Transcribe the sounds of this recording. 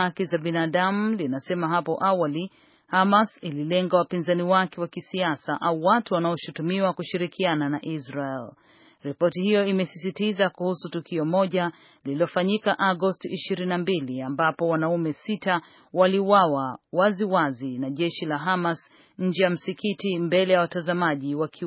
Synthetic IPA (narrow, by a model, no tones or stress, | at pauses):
akizaɓinaːɗamulinasɛmaɦapɔʔawali | hamasililɛŋɡawapinzaniwakɛwakisiasaʔauwatuwanaɔʃutumiwakuʃiɾikiananaʔisɾaɛl | ɾipɔtihijɔimɛsisitizakuhusutukiɔmɔʄa | liliɔfaɲikaʔaɡɔstiʔiʃiɾininambiliambapɔwanaumɛsita | waliuwawawaziwazinaʄɛʃilaɦamas | ɲ̩d͡ʒɛjam̩sikitimbɛlɛjawatazamaʄiwakʰi